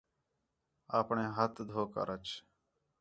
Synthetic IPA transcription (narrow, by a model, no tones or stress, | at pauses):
aːpɳẽːɦət̪d̪ʱoːka̰ɾət͡ʃ